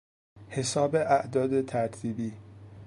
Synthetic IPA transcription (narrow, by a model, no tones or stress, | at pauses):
he̞sɒːbe̞ʔæʔd̪ɒːd̪et̪ʰæɾt̪ʰiːbiː